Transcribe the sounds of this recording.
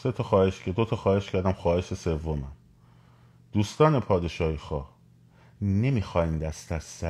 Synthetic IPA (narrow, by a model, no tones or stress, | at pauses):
se̞t̪ʰɒxɒːheʃcʰed̪ot̪ʰɒxɒːhe̞ʃcʰæɾd̪æmxɒːhe̞ʃesevːomæm | d̪̥uːst̪ɒːnepʰɒːd̪e̞ʃɒːhixɒ̰ːh | ne̞miːxɒːhiːnd̪æst̪æsːæ